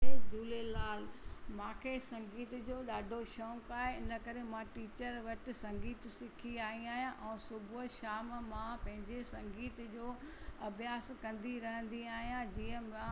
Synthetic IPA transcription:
ed̪uːlelaːlmãːkʰesɐ̃ŋɡiːt̪d͡ʑoːɗaːɖʱoʃɔːŋkaːɦeɪnəkɐɾemãʈiːt͡ɕəɾʋɐʈɪ̆sɐ̃ŋɡiːt̪sɪkʰiaːĩaːɦijãʔɛ̃ːsʊbʱʃaːmmãpɐ̃ɦɪ̃ɲd͡ʑesɐ̃ŋɡiːt̪d͡ʑoː | ɐbʱijaːskɐ̃nd̪iɾɐɦə̃nd̪iaːɦijãd͡ʑiːə̃mã

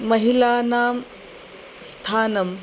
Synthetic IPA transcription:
mɐɦilaːnaːm | st̪ʰaːnɐm

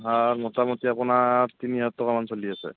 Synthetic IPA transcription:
amɔtamutiapunatiniatːɔkamansoliasɛ̰

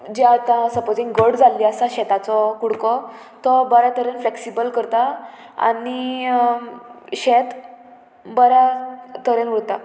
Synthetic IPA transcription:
d͡ʑeat̪ãsəpod͡ziŋɡɡəɽd͡zalːiəsaɕɛt̪at͡sɔkuɽkɔ | t̪ɔbəɾat̪əɾənfleksibəlkəɾt̪a | a̰ni | ɕɛt̪ | bəɾat̪əɾenuɾt̪a

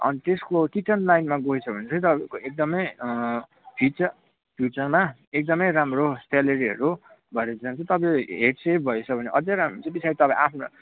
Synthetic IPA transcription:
ʌ̰nit̪eskokiʈʌnlajnmaɡoit͡sʰʌbʱʌnet͡sʰʌjt̪ʌbkoek̚d̪ʌmʌj | pʰit͡sʌ | pʰjut͡sʌrma | ek̚d̪ʌmʌjɾamrosʈelʌɾiɦʌɾu | bʱʌeɾed͡zant͡sʰʌ̃t̪ʌpãɦeʈsep̚ʰbʱʌet͡sʰʌbʱʌneʔʌd͡zẽɾamt͡sãbisʰaɾit̪ʌpãj̃apʰno

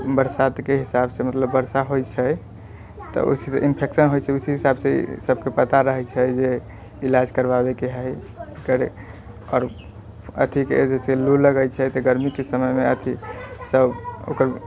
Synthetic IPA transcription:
bəɾsad̪keɦisabsemət̪ləbːəɾsaɦojt͡ʃʰɛ | t̪ɔ̰ʔo̰sisḛʔinpʰeksənɦojt͡ʃʰɛusiɦisabsḛsəb̚kepət̪aɾəɦɛt͡ʃʰɛd͡ʒe | ilad͡ʒkəɾbabekeɦəj | ekəɾe | ɔːɾ | ə̰t̪ʰiked͡ʒeseluləɡəjt͡ʃʰɛt̪ɔɡəɾmikesəməjmeət̪ʰisəbo̰kəɾ

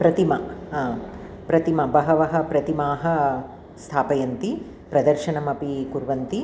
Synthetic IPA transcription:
pɾɐt̪imɐ | pɾɐt̪imɐbɐɦɐʋɐɦɐ̆pɾɐt̪imaːɦɐ̆ | st̪ʰaːpɐjɐnt̪i | pɾɐd̪ɐɾʃɐnɐmɐpikuɾʋɐnt̪i

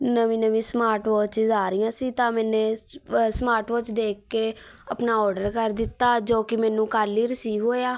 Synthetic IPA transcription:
nəʋĩːnəʋĩːsmaːɾʈʋɔːt͡ʃɪzaːɾɪjãːsiːt̪ãːmɛ̃ːnẽːsmaːɾʈʋɔːt͡ʃd̪eːkːeː | əpnaːɔːɾɖəɾkəɾd̪ɪt̪ːaːd͡ʒoːkɪmɛ̃ːnũːkaːɾliːɾɪsiːʋɦoːjaː

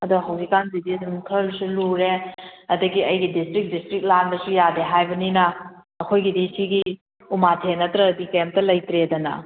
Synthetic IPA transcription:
ɐduɦɐwzikːanzidisumkʰəlsuluɾeɐdɐɡiɐjɡidistɾik̚distɾik̚landɐsujadeɦajbɐninɐː | kʰojɡidisiɡi | umatʰenːɐtɾɐdikɐjamptɐlɐjtɾedɐnɐ̰

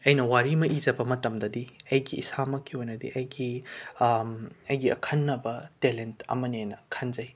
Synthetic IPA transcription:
ɐjnɐwaɾimɐʔizɐbɐmɐtɐmdɐdiɐjɡiːsamɐkʰːiojnɐdḭʔɐjɡi | ɐjɡiɐ̰kʰɐnːɐbɐtelentɐ̰mɐnenɐkʰɐnzɐj

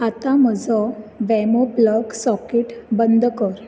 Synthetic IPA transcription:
at̪am̤əd͡zɔʋɛmɔpləɡsɔkeʈbənd̪ʱəkəɾ

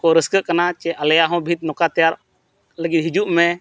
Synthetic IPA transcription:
kɔɾəskəʔkənat͡ʃɛʔɐljaɦɔ̃bʱit̪̚nɔkat̪ɛjaɾ | ləɡid̪̚ɦid͡ʒuʔmɛ̃

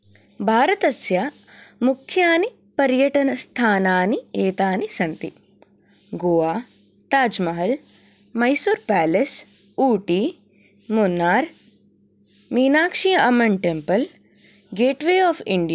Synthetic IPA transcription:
bʱaːɾɐt̪ɐsjɐ | mukʰjaːni | pɐɾjɐʈɐnɐst̪ʰaːnaːnieːt̪aːnisɐnt̪ḭ | ɡoːʋaː | t̪aːd͡ʒmɐɦɐl | mɐjsuɾpɛːles | uːʈiː | munːaːɾ | miːnaːkʂijɐɐmɐɳʈempɐl | ɡeːʈʋeːɔːfʰiɳɖijaː

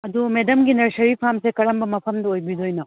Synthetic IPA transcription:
ɐd̪umed̪ɐmɡinɐɾsɐɾipʰamsekɐɾɐmbɐmɐpʰɐmd̪ɐojbid̪ojnɐ

